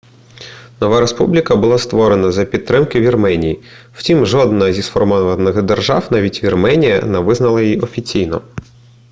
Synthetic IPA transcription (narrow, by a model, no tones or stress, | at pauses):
nɔʋaɾe̞spublʲikɐbʊlˠast̪ʋɔɾenɐzɐpʲidt̪̚t̪ɾɪmkɪʋʲirmɛnʲiji | w̥tʲimʒɔd̪nɐzʲisfɔrmɔʋɐnːɪxd̪erʒɑwnɑʋʲitʲʋʲirmɛnʲijɐ̰nɛʋɪznɐlˠɐjjiɔfʲit͡sʲijnɔ̰